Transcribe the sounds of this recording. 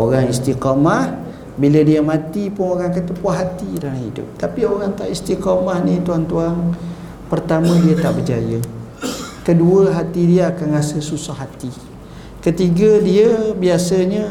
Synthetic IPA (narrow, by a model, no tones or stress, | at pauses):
oɾaŋist̪iqamah | biladiamãt̪ipʊŋoɾaŋkət̪əpuaɦat̪idanahɦḭdʊ̰p̚t̪apioɾaŋt̪aʔist̪iqamahnit̪uant̪uan | pərt̪amə̃diat̪aʔbərd͡ʒa̰jə | kəduəɦat̪idiaakanrasəsusahat̪i | kət̪iɡadiəbiasəɲa